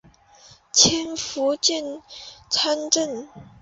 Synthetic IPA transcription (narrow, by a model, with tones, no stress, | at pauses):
t͡ɕʰjɛ˥nfu˧˥t͡ɕjɛ˥˩˨nt͡sʰa˥nʈ͡ʂə˥˩n